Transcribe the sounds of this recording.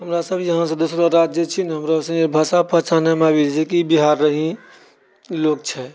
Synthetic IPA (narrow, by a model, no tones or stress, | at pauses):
ɦəmɾasəbʱjəɦãsə̃d̪usɾoɾad͡ʒjet͡ʃʰinɦəmɾasə̃ebʱasapə̃t͡ʃʰanemabid͡ʒekibiɦaɾːəɦĩ | lok̚t͡ʃʰɛ